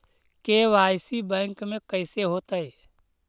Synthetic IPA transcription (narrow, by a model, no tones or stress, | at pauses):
keːʋaːɪsibɛ̃ːŋkmẽkəɪseɦoːt̪əe